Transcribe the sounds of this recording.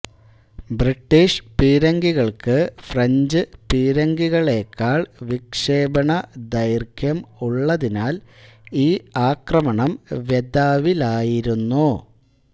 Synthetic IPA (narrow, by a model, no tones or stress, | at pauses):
briʈːiːʂpiːɾɐŋɡiɣɐɭkɨfrɐɲd͡ʑɨpiːɾɐŋɡiɣɐɭe̞ːkːaːɭʋikʂeːbɐɳɐd̪ɐjrkʰjɐmuɭːɐðinaːliːaːkrɐmɐɳɐmʋjed̪aːʋilaːjiɾunːu